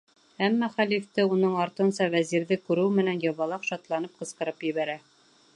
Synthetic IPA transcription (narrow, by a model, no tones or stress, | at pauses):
æmːæχælift̪ɘunɤɴɑɾt̪ɤ̆nsɑvæziɾðɘkʉɾɘwmɘ̆nænjɑβɑlˠɑqʃɑt̪lˠɑnɤp̚qɤ̆sqɤ̆ɾɤpjɘ̆βæɾæ